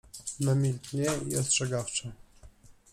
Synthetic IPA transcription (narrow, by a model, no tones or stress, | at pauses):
namʲilt̪ɲɛḭɔstʂɛɡaft͡ʂa